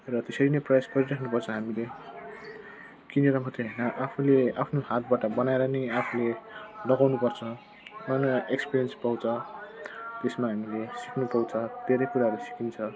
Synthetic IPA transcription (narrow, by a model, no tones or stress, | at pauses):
rʌt̪esʌɾinʌjprʌjasɡʌɾiɾakʰnupʌrt͡sʰʌɦamile | kineɾʌmkʰʌt̪eɦʌjnʌʔapʰuleapʰnoɦat̪̚baʈʌbʌnaeɾʌnʌapʰulenʌɡawnupʌrt͡sʰʌ | ʌnoʔekspiɾijʌnspawt͡sʰʌ | t̪esmaɦamilesikʰnupawt͡sʰʌd̪̥ʱeɾʌjkuɾaɦʌɾusi̥kint͡sʰʌ